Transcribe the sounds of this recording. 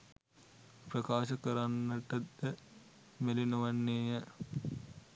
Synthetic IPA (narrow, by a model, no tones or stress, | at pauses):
prɐkaːʃɐkəɾanːəʈət̪ːə | melinuʋɐnːeːjə